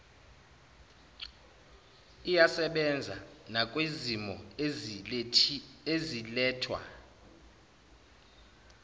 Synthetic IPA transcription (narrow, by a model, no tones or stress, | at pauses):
ijasɛɓɛnd͡zʱa̰nakʼwezimɔ | ezilɛːtʰwa̰